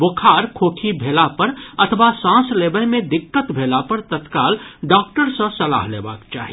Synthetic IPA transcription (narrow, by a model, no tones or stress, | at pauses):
bokʰaːɾkʰoːkʰibʱeːlapəɾɐt̪ʰəʋasãːsleːbəjmẽd̪ɪkːət̪bʱeːlapəɾt̪ət̪kaːlɖɔːk̚ʈəɾsə̃sɐla̰ːɦleːba̰ːkt͡ʃa̰ːɦi